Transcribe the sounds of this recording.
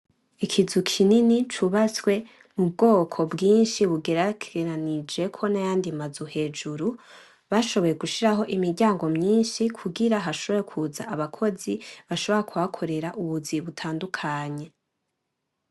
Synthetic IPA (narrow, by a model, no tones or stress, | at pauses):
ikʰizukʰininit͡ʃuβat͡swe̞ | mub̚ɡo̞ːkʰo̞bɡiːnʃiβuɡe̞ɾakʰeɾanid͡ʒe̞kʰo̞najaːndimazuhe̞d͡ʒuɾu | βaʃo̞βo̞jeɡuʃiɾaɦo̞ʔimiɾɟaːŋɡo̞mɲiːnʃikʰuɡiɾaɦaʃo̞βo̞jekʰuːzaʔaβakʰo̞ziβaʃo̞βo̞ɾekʰuhakʰo̞ɾe̞ɾaʔuβuziβutʰaːndukʰaːɲe̞